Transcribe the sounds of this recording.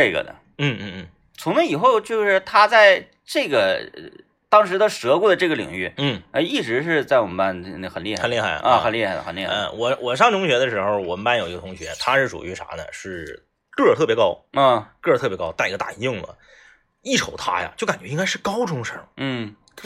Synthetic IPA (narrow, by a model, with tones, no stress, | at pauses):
ʈ͡ʂe˥˩ɡə̰˩d̪ə̰˩ | n̩˥˩n̩˥˩n̩˥˩ | t͡sʰʊ˧˥ŋma˧˥i˨˩xo˥˧ʊt͡ɕjo˥˧ʊʂɻ̩˥˩˧t̪ʰa˥t͡sa˥˧ɪ | ʈ͡ʂɤ˥˩ɡə˩ | t̪ɑ˥ŋʂɻ̩˧˥t̪ə˥˧ʂɤ˧˥ku˥˩d̪ə˩ʈ͡ʂɤ˥˩ɡə˩lḭ˨˩ŋy̰˥˩n̩˥˩ə˧i˥˩ʈ͡ʂɻ̩˧˥ʂ̬ɻ̩˥˧t͡sa˥˩ɪwɔ˨˩mə˦mpa˥n˥˧˥xə˨˩nli˥˧xnli˥˧˩xa˥˩ɪdə̰˩ə˧xə˨˩nli˥˧xa˥˩ɪə̰˩xə˨˩nli˥˩ə˧wɔ˨˩wʔɔ˨˩ʂ̬ɑ˥ŋʈ͡ʂʰʊ˧˥ŋɕɥɛ˧˥d̪ə˧ʂɻ̩˧˥xo˥˩ʊwə˧˥npa˥njo˨˩ʊi˧˥ɡət̪ʰʊ˧˥ŋɕɥɛ̰˧˥t̪ʰa˥ʂɻ̩˥˩ʂṵ˨˩y˧˥ʂʰa̰˧˥d̪ə̰˧ʂɻ̩˥˩ | kɤ˥˩t̪ʰɤ˥˩pjɛ˧˥kɑ˥ʊɔ˥˧˩kɤ˥˩˧t̪ʰɤ˥˩pjɛ˧˥kɑ˥ʊt̪a˥˩i˥ɡə˧t̪a̰˥˩˧ɪ˥˩ŋlə̰˩ | i˥˩ʈ͡ʂʰo˧˥ʊt̪ʰa̰˥ja̰˨t͡ɕjo˥˩ʊka˨˩nt͡ɕɥɛ˧˥i˥ŋka˥ɪʂɻ̩˥˩kɑ˥ʊʈ͡ʂʊ˥ŋʂə˥˩n̩˥˩